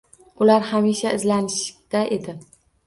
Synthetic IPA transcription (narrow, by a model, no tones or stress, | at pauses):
ʊlaɾhamiʃaɪzlanɪʃt̪aʔed̪ɪ